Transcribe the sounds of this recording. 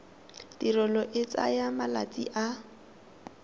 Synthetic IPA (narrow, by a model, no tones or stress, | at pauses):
d̥irɔlɔʔɪt͡sa̰jamala̰t͡sʼḭʔa